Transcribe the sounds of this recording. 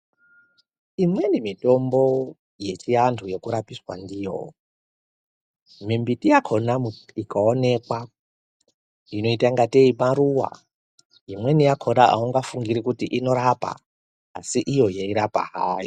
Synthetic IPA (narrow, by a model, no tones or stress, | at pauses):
imwe̞nimito̞mbo̞ | je̞t͡ʃijantʰujekuɾapiswa̰ndiːjo̰ | mimbitijakʰonaikaone̞kwa | ino̞itaŋɡateimaɾuwa̰ | imwe̞nijakʰoɾaʔa̰uŋɡafuŋɡiɾikutiʔino̞ɾapa̰ː | siʔijo̞jeiɾapa̰ɦaːjo